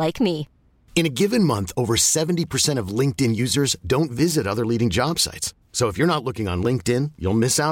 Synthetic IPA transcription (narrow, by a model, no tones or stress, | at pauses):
laɪkmi | ɨ̃ñɨɡɪvɨ̃nmʌ̃nθoʊvə˞sɛvn̩tipʰə˞sɛ̃ɾ̃ʌvlɪ̃ŋk̚tɪ̃njʉzə˞zdõʊ̃ntvɪzɨɾʌðə˞liɾɪ̃ŋd͡ʒɑb̥sa̰ɪtsː | oʊəfjə˞ñətˡlʊkɪ̃ŋə̰̃nlɪ̃ŋk̚tɪ̃njṵlˠmɪsaʊ